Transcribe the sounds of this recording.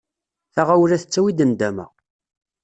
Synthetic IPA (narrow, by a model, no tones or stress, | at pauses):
θaʁawlæθət͡sːæwid̪ənd̪æmæ̰